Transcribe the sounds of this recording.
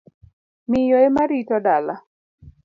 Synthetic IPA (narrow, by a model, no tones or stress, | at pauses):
mɪjɔemaɾitɔdala